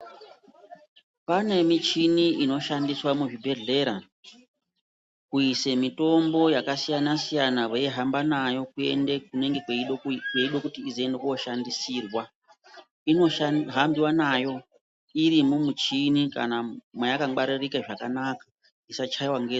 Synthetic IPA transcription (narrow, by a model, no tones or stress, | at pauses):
pane̞mit͡ʃiniino̞ʃandiswamuʐibʱe̞ɮe̞ɾa | kuise̞mito̞mbo̞jakasijanasijanaweiɦambanajo̞kue̞̰ndek̚une̞ŋɡe̞kwekweiɗo̞kutiːziendekuwo̞ʃandisiːrwa | ino̞ɦambiwanajo̞ | iɾimumut͡ʃinika̰namwajakaaɾirikaʐaka̰nakḁ | isat͡ʃaiwaŋɡe